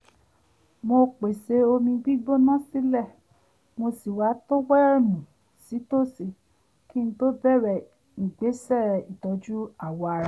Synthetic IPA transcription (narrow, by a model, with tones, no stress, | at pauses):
mo˧k͡pe˨se˧o˧mĩ˧ɡ͡bi˦ɡ͡bo˦nã˦˨si˦lɛ˦˨ | mo˧si˨wa˨˦to˦wɛ˦ɛ˦˨mũ˨ | si˨˦to˦˨se˨ | ki˦ñ̩˦to˦bɛ˦˨ɾɛ˨ | ŋ̩˨ɡ͡be˨˦sɛ˦˨ɾɛ˨i˨tɔ˧˦d͡ʒu˦a˦˨wɔ˨˧a˧ɾa˨